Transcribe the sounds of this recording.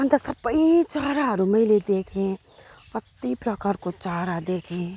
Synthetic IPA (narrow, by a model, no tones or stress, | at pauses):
ʌnt̪ʌsʌbəjit͡ʃaɦɾaɦʌɾumʌjled̪ekʰẽ | pʌt̪ːipɾʌkaɾkot͡ʃaɦɾad̪ekʰẽ